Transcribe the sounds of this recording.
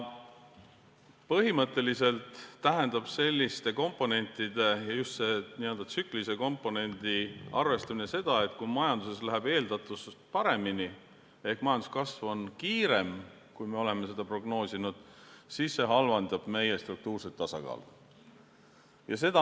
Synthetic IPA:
pɤɦimɤt̪ːˑe̞lise̞lt̪ːæɦe̞nd̪ɑb̥se̞lʲːist̪e̞ko̞mpːˑo̞ne̞nʲt̪ːˑid̪e̞jɑjust̪se̞nie̞ld̪ɑsyklise̞ko̞mpːˑo̞ne̞nd̪iɑ̰rve̞st̪ɑminese̞d̪̥ɑe̞t̪kumɑjɑnd̪̥useslæɦæbe̞ːld̪̥ɑt̪ːˑuspɑɾe̞mini | e̞hkmɑjɑnd̪u̥skɑsvo̞nkiːɾe̞m | kujme̞o̞le̞me̞se̞d̪̥ɑpro̞ɡno̞ːsinud̪̥siːsːe̞ɦɑlvɑnd̪̥ɑb̥me̞jest̪ruk̚t̪uːrset̪ːɑsɑ̰kɑ̰ːl | jɑse̞d̪̥ɑ

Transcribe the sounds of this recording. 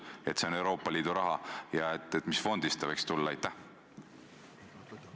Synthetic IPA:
e̞t̪se̞o̞ne̞wɾo̞ːpːˑɑliːd̪̥uɾɑɦɑjɑet̪ːˑet̪misfo̞nd̪̥ist̪ɑvejkst̪ulːɑɑjt̪ːˑæh

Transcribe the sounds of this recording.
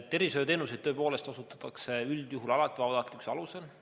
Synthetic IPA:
t̪ːe̞ɾisøːt̪eːnuse̞jd̪̚øːpo̞ːle̞st̪ɑsut̪ːˑɑ̥t̪ːˑɑkse̞yld̪̥juɦulɑlɑt̪ːˑivɑpɑd̪ɑt̪ˑlikseɑluse̞l

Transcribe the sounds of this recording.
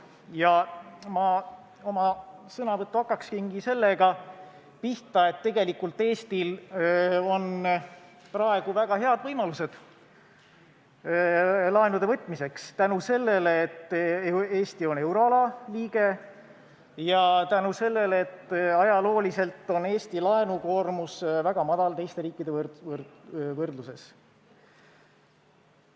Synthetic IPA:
jɑmɑ | o̞mɑsɤnɑvɤt̪ːuɑkːˑɑkskinɡise̞lːeɡ̥ɑ | piht̪ɑe̞t̪ːe̞ɡe̞likːult̪ːˑe̞ːst̪il | o̞n | prɑe̞ɡ̥uvæɡ̥ɑɦe̞ɑd̪̥vɤjmɑluse̞d̪̥ | lɑenud̪e̞vɤt̪ːˑmise̞kst̪ænuse̞lːe̞leːt̪ː | e̞ːst̪io̞ne̞wɾo̞ɑlɑliːɡ̥e̞ | jɑt̪ænuse̞lːe̞leet̪ːɑjɑlo̞ːlise̞lt̪ːˑo̞ne̞ːst̪ilɑe̞nuko̞ːrmusvæɡ̥ɑmɑd̪̥ɑlt̪e̞jst̪e̞ɾiːkːˑid̪e̞v | vɤrd̪luse̞s

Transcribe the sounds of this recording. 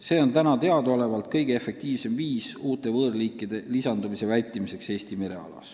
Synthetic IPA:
se̞ːo̞nt̪ænɑt̪e̞ɑd̪ole̞vɑlt̪̚kɤjɡ̥eefe̞k̚t̪iːvse̞mviːsuːt̪ˑe̞vɤːrliːkːˑid̪̥e̞lisɑnd̪umise̞vælʲt̪ˑimise̞kse̞ːst̪ime̞ɾe̞̰ɑ̰lɑ̰s

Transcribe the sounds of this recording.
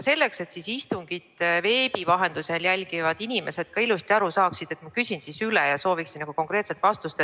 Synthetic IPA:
se̞lːe̞kse̞t̪sisist̪uŋɡ̥id̪̥ve̞ːb̥ivɑɦe̞nd̪̥use̞ljælʲɡ̥ivɑd̪̥inime̞se̞d̪̥kɑilust̪iɑɾusɑːksid̪̥e̞t̪ːˑmɑkysʲinsisylɛjɑso̞ːviksinnɑkuko̞ŋkre̞ːt̪se̞lt̪vɑst̪ust̪e

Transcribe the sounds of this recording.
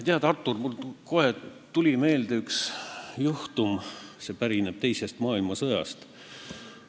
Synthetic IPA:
t̪eɑd̪ɑrt̪ːˑurmulko̞het̪ulʲime̞ːld̪eyksjuht̪umse̞pæɾineb̥̚t̪e̞jse̞st̪mɑːilmɑsɤjɑ̰st̪

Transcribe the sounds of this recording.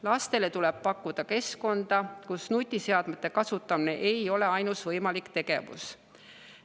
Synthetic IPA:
lɑst̪e̞le̞t̪ulɛb̥̚pɑkˑːud̪̥ɑke̞sko̞nd̪̥ɑkusnut̪ʲːˑise̞ɑd̪met̪ːˑe̞kɑsut̪ːˑɑmine̞ʔe̞jo̞le̞ɑjnusvɤjmɑlikt̪e̞ɡ̥e̞̰vṵs

